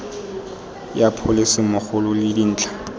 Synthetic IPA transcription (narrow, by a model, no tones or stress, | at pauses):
japʰʊlɪsɪmʊχʊlʊlɪdin̩ːt͡ɬʰʼḁ